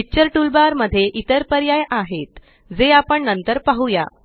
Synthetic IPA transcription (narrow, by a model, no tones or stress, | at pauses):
it͡ɕəɾʈulbaɾməd̪ʱːjeʔit̪əɾpəɾjajʔaɦet̪ | d͡zeapəɳnənt̪əɾpaɦuja̰